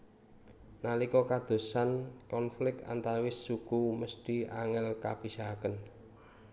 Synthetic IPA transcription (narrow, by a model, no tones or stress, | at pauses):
nalikɔkad̪̥o̤sankɔnflɪk̚a̰nt̪aɾwɪsːukuməst̪i̤a̰ŋɛlkab̥i̤sakən